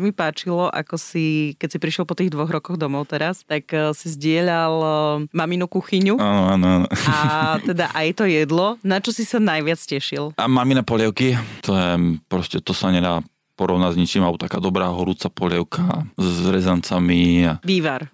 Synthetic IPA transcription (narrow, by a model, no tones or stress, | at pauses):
mipaːt͡ʃilɔʔa̰kɔsikɛcsipɾiʃjɛlˠpɔt̪iːɣd̪ʋɔɣɾɔkɔɣd̪ɔmɔʊt̪ɛɾast̪aksizɟɪɛʎalmaminukuxiɲuaːnɔaːnɔaːnɔat̪ɛd̪aʔajɛt̪ɔjɛd̪lɔnat͡ʃɔsisanajʋɪat͡scɛʃilamaminapɔlɛʊkit̪ʰɔjɛpɾɔscɛt̪ɔsaɲɛd̪aː | pɔɾɔʊnazɲit͡ʃimalɛbɔt̪akaːd̪ɔbɾaːɦɔɾut͡sapɔlɛʊkʰazɾɛzant͡samiaʋiːʋaɾ